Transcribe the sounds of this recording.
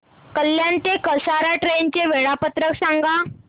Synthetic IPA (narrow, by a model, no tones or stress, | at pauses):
kəljant̪ekəsaɾaʈɾent͡ɕeʋeɭapət̪ɾəksaŋɡa